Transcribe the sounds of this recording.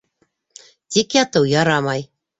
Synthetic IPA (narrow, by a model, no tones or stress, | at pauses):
t̪ʲikjɑt̪ɤwjɑɾɑmɑj